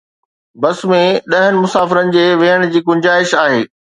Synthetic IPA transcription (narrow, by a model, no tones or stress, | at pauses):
bɐsmẽɗɐɦənɪ̆mʊsaːfɪɾənɪ̆d͡ʑeːʋeːəɽ̃̆d͡ʑiːɡʊ̃ɲd͡ʑaːɪʃaːɦeː